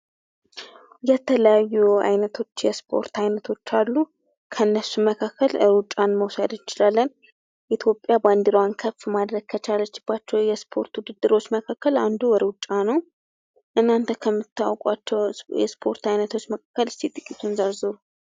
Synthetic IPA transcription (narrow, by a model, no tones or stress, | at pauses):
jɛt̪ʰələjajːua̰jnət̪ʰo̞t͡ʃːjɛspʰo̞̰ɾt̪ʰajnət̪ʰo̞t͡ʃːalːu | kʰənːəsuməkʰakʰːəlɨɾut͡ʃʼːanməwsəd̪jɪt͡ʃɪlalːən | ʔit̪ʰjo̞pʼjaband̪iɾwankʰəfmad̪ɾəɡ̥̚kʰət͡ʃalːət͡ʃːɪb̥ːat͡ʃːɛwjɛspʰo̞̰ɾt̪wud̪ɨd̪ːɨɾo̞t͡ʃːməkʰakːəland̪uwɔɾut͡ʃʼːanəw | ʔɨnːant̪ʰəkʰəmːɨt̪ʰːawkʼat͡ʃːɛwjɛspʰo̞ɾt̪ajnət̪ʰo̞t͡ʃːməkʰḁkːəlɨsit̪ʼɨkʼːit̪ʰunzəɾzɨɾu